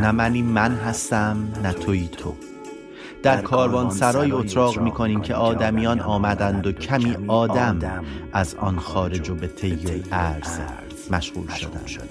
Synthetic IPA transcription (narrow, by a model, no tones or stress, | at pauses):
næmæniːmænɦæst̪æmnæt̪ʰoiːt̪ʰo̰ | d̪̥æɾkʰɒːɾvɒːnsæɾɒːjiːot̪ʰɾɒːɣmiːkʰo̞niːmcʰeʔɒːd̪æmijɒːnʔɒːmæd̪ænd̪ocʰæmiːɒːd̪æmæzɒːnxɒːɾe̞d͡ʒobe̞t̪ʰe̞jːoæɾz̥ | mæʃɣṵːlʃod̪æ̰nd̪̥